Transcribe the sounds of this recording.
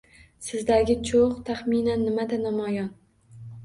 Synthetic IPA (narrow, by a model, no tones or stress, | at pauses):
sɪzd̪aɡʲɪt͡ʃʰoqt̪ʰaχminanːɪmad̪anamɒjɒn